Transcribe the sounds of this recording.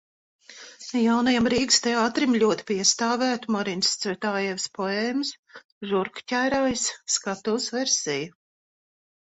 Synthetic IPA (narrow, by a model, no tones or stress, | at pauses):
jawnajamɾiːkst̪ɛaːt̪ɾimʎʲuɔt̪i̥pʲiɛst̪aːvæːt̪umɔɾinst̪svɛt̪aːjɛvspɔɛːms | ʒuɾkcʲæjɾaːjsːkat̪uːsvɛɾsiju